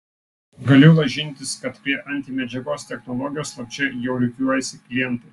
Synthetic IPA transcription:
ɡɐlʲʊlˠɐʒʲɪnʲˑt̪ʲɪskɐt̪pʲɾʲiɛʔɐnʲt̪ʲimʲɛd͡ʒʲɛɡoːst̪ʲɛxnɔlˠɔɡʲɪjoːslˠɐk̚t͡ʃʲɛjɛʊlʲʊkʲuɔjɛsʲɪklʲɪjɛnt̪ɐ

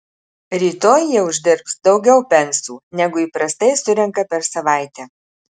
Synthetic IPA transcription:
ɾʲiːt̪oːjjiɛʊʒʲd̪ʲɪɾpsd̪ɒʊɡʲɛʊpʲɛnʲsʲuːnʲɛɡʊiːpɾɐst̪ɐɪsʊɾʲɛŋkɐpʲɛɾsɐʋɑˑɪt̪ʲɛː

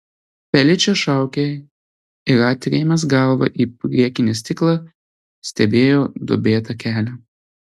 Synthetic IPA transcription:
pʲɛlʲɪt͡ʃʲɛʃɑˑʊkʲe | ɪɾɑːt̪ʲɾʲeːmʲɛsɡɐˑlˠʋɐ̰ʔiːpʲɾʲiɛkʲɪnʲɪsʲt̪ʲɪklˠɑ | sʲt̪ʲɛbʲeːjoːd̪o̰bʲeːt̪ɐkʲæːlʲɛ

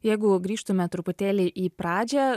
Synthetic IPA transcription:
jɛɪɡʊɡɾʲiːʃt̪ʊmʲɛt̪ɾʊpʊt̪ʲeːlʲɪʔiːpɾɑːd͡ʒʲɛ

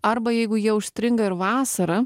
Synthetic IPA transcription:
ɐɾbɐjɛɪɡʊjiɛʊʃst̪ʲɾʲɪŋɡɐɪɾʋɑːsɐɾɐ

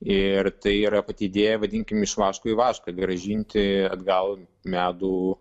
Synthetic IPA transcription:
ɪrt̪ɐɪiːɾɐpɐt̪ʲiːd̪ʲeːjɛʋɐd̪ʲiŋʲkʲɪmɪʃʋɑːʃkoːiʋɑːʃkɐɡɾɐʒʲiːnʲt̪ʲɪɐd̪ɡɐlˠ | mʲæːd̪uː

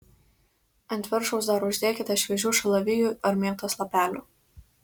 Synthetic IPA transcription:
ɐnt̪ʲʋʲɪɾʃɔʊs̬d̪ɐɾʊʒʲd̪ʲeːkʲɪt̪ʲɐʃʲʋʲɛʒʲuːʃɐlˠɐʋʲɪjuːˑɐɾmʲeːt̪oːslˠɐpʲæːlʲṵːˑ

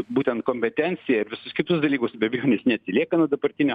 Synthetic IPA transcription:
buːt̪ʲɛnt̪̚koːmʲpʲɛt̪ʲɛnʲsʲɪjɛɪɾʋʲɪsʊskʲɪt̪ʊsd̪ɐlʲiːkʊsbʲɛbʲɪjoːnʲɪsnʲɛt̪ʲsʲɪlʲiɛkɐnuɔd̪ɐbɐɾʲt̪ʲɪnʲo

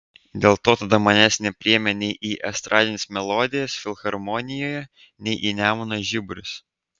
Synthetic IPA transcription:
d̪ʲeːlˠt̪oːt̪ɐd̪ɐmɐnʲæsʲnʲɛpʲɾʲɪɛmʲɛnʲɛɪʔiːʔɛst̪ɾʔɑːd̪ʲɪnʲeːsmʲɛlˠɔd̪ʲɪjɛsfʲɪlʲˠxɐɾmɔnʲɪjoːjɛ | nʲɛɪʔiːnʲæːmʊnoʒʲɪbʊɾʲʊs

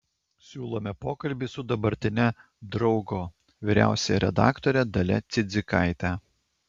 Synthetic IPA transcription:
sʲuːlˠoːmʲɛpoːkɐlʲbʲisʊd̪ɐbɐɾʲt̪ʲɪnʲɛ | d̪ɾɒʊɡoː | ʋʲiɾʲæ̰ˑʊsʲɛjɛɾʲɛ̰d̪ɑ̰ːkt̪oɾʲɛd̪ɐlʲɛ̰t̪sʲɪd̪zʲɪkɑˑɪt̪ʲæ

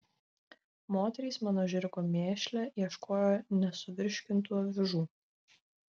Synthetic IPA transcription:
moːt̪ʲɛɾʲiːˑsmɑːnoːʒʲɪɾʲkoːmʲeːʃʲlʲɛiɛʃkʰoːjoːnʲɛsʊʋʲɪɾʲʃʲkʲɪnt̪uːʋʲɪʒuː

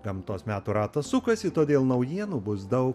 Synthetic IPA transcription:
ɡ̥ɐmt̪oːsmʲæːt̪uːɾɑːt̪ɐssʊkɐsɪt̪oːd̪ʲeːlˠnɐʊjiɛnuːbʊsd̪ɐʊk

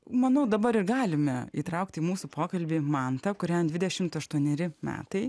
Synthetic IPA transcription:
mɐnɐʊd̪ɐbɐɾɪɾɡɑːlʲɪmʲɛḭːt̪ɾɐʊkt̪ʲiːmuːsʊpʰoːkɐlʲbʲiːmɑnt̪ɐkʊɾʲɛd̪ʲʋʲɪd̪ʲɛʃʲɪmt̪ɐʃt̪uɔnʲɛɾʲɪmʲæ̰ːt̪ɐɪ

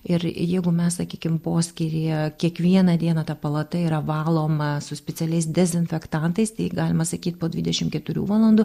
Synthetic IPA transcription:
ɪɾjɛɪɡʊmʲɛssɐkʲiːkʲɪmpoːsʲkʲiːɾʲejɛkʲiɛkʋʲiɛnɐd̪ʲiɛnɐt̪ɐpɐlˠɐt̪ɐiːɾɐʋɑːlˠoːmɐsʊsʲpʲɛt͡ssʲɛlʲɛɪsd̪ʲɛzʲɪnʲfʲɛkt̪ɐnt̪ɐɪst̪ɐɪɡɑːlʲɪmɐsɐkʲiːt̪̚ʲpoːd̪ʲʋʲɪd̪ʲɛʃʲɪmkʲɛt̪ʊɾʲṵːʋɑːlˠɐnd̪ʊː

